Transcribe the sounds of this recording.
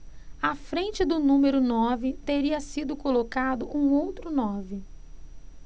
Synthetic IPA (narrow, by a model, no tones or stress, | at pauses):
afɾẽnt͡ʃɪd̪ʊnũmeɾʊnɔvɪt̪eɾiɐsid̪ʊkolokad̪ʊʔũowt̪ɾʊnɔvɪ